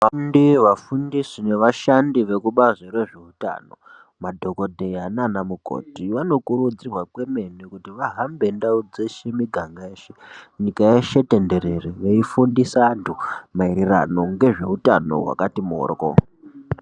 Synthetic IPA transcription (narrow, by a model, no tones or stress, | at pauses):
ʋandiʋafundisine̞ʋaʃandiʋe̞kuɓazeɾe̞ʐe̞uta̰ːno̞̰ | madʱo̞ko̞dʱe̞jananamuko̞̰tiʋano̞kuɾud͡zirwakwe̞me̞nikutiʋaɦambendaud͡ze̞ʃemiɡʱaŋɡaeːʃeɲikaeʃete̞nde̞ɾe̞reʋeifundisantʰumaiɾira̰no̞ŋɡe̞ʐe̞utano̞̰ɦwa̰katimo̰ːrko̰